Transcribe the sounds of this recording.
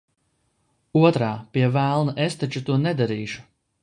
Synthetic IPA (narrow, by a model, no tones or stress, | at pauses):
uɔt̪ɾaːpiɛvælˠnaʔest̪at͡ʃut̪uɔnɛd̪aɾiːʃu̥